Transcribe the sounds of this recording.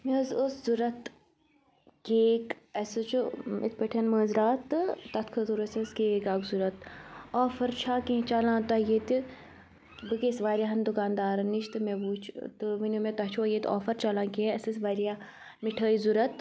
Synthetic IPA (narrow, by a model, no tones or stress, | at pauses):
mezoszuɾɐt̪ | keːk | ɐsɨt͡ʃʰuḛt̪̚ʰpəʈʰɐnməːzɾaːt̪t̪ɐt̪ʰkʰɐt̪uɾɐsɐskeːkaːɡzuɾɐt̪ɔːfɐɾt͡ʃʰaːkẽt͡ʃalãːt̪ajeːt̪i | bɨkesʋaːɾʲjaːɦɐnd̪ukaːnd̪aːɾɐniʃt̪ɨmẽbuːt͡ʃʰt̪ɨʋinomẽt̪ɐt͡ʃʰojet̪ɔ̰ːfɐɾt͡ʃalãːkiɐsɐsʋaːɾijaː | miʈʰəːizuɾɐt̪